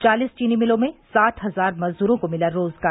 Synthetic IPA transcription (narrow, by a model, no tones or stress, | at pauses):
t͡ʃaːliːst͡ʃiːnimɪlõmẽsaːt̪ɦɐzaːɾmɐzd̪uːɾõkomɪlaɾoːzɡaː